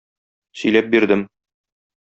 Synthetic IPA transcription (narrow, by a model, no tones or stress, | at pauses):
sɵ̆jlæp̚biɾd̪ɘm